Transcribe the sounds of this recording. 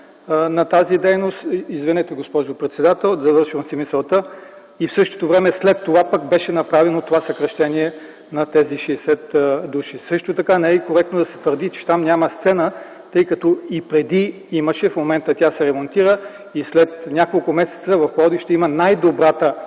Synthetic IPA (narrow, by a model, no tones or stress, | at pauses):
nɐt̪azid̪ɛjnost̪izvinɛt̪ɛɡospɔʒopɾɛt̪sɛd̪at̪ɛlˠzɐvɤɾʃivəmsimisəlˠt̪ə | ifsɤʃt̪o̥t̪ovɾɛmɛslɛt̪ːovapəkbɛʃɛnɐpɾavɛnot̪ovasɐkɾɐʃt̪ɛniɛ | nɐt̪ɛziʃɛsɛt̪d̪uʃisɤʃt̪ot̪ɐkanɛɛikoɾɛk̚t̪nod̪ɐsɛ̥t̪vəɾd̪it͡ʃɛ̥t̪amnʲaməst̪sɛnə | t̪ɤjkɐt̪oipɾɛd̪i | iməʃɛfmomɛnt̪ət̪ʲasɛɾɛmont̪iɾə | islɛt̪nʲakolˠkʊmɛsɛ̥t̪səvɐfˠɔd̪iʃt̪ɛimənajd̪obɾat̪ə